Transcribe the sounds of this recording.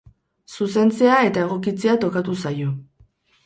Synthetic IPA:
suse̞nt͡se̞ae̞t̪ae̞ɣ̞o̞kit͡se̞at̪o̞kat̪usajo̞

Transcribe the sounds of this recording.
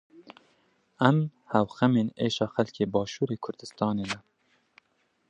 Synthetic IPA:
ɛm | hɛwxɛmeːneːʃɑːxælkʲʰeːbɑːʃuːɾeːkʰʊɾd̪ɨst̪ɑːneːnɛ

